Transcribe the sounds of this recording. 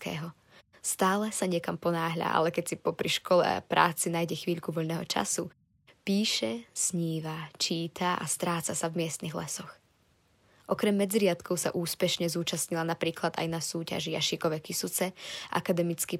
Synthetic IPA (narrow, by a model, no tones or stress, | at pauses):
kɛ̰ːɦɔ | st̪aːlɛsaɲɪɛkampɔnaːɦʎa̰ʔa̰lɛkɛcsipɔpɾiʃkɔlɛ̰a̰pɾa̰ːt͡sinaːjɟɛxʋiːʎkuʋɔʎnɛːɦɔ̰t͡ʃa̰su | piːʃɛsɲiːʋat͡ʃiːt̪ʰaʔa̰st̪ɾaːt͡sasavmɪɛst̪niɣlɛsɔx | ʔɔkɾɛmːɛd͡zɾɪat̪kɔʊsa̰ʔuːspɛʃɲɛzuːt͡ʃasɲilanapɾiːklad̪a̰jnasuːca̰ʒijaʃikɔʋɛkisut͡sɛʔa̰kad̪ɛmit͡ski